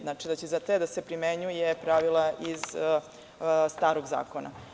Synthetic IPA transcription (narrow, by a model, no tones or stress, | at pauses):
nat͡ʂid̪at͡ɕeizat̪ed̪asepɾimeɲujepɾaʋilˠaʔiz | st̪aːɾoɡza̰ːkona̰